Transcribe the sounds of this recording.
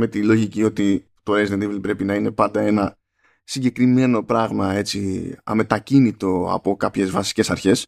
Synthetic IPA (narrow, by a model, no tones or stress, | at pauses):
me̞t̪ilo̞ʝicio̞t̪i | t̪o̞ɾezend̪ivlpɾe̞pinɐine̞pɐnd̪ɐe̞nɐ | siɲɟe̞kɾime̞no̞pɾɐɣmɐe̞t͡siɐ̰me̞t̪ɐcinit̪o̞ɐ̰po̞kɐpçe̞zvɐsi̥ce̞sɐɾçe̞s